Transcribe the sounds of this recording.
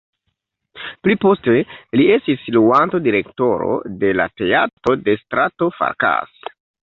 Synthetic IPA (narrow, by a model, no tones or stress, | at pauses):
plipo̞ste̞lie̞stisluantodiɾe̞kto̞ɾo̞̰de̞la̰te̞atɾo̞de̞stɾato̞fa̰ɾka̰s